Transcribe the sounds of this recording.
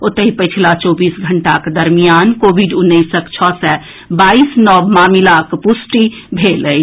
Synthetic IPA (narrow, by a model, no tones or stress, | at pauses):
ot̪əɦipəɪt͡ʃʰlat͡ʃɔbiːsɡʱəɳʈaked̪əɾmijankobʱiɖʊnːəisəkt͡ʃʰɔsɛ | baisnɔmamilakpusʈibʱeləj